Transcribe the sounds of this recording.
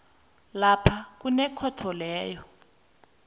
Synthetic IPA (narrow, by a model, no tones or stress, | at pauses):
lapʰak̬unɛkʰɔtʰɔlɛːjɔ